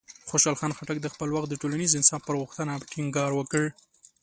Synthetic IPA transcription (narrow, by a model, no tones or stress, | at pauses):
xoʃɑlxɑnxaʈak̚d̪əxpəlwaxt̪d̪əʈolanizɪnsɑfpəɾɣʊxt̪ənaʈɪŋɡɑɾwəkəɽ